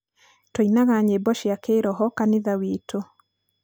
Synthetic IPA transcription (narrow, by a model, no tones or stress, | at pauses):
tɔinaɣaɲebɔʃjakʰeɾɔɦɔkaniðawitʰo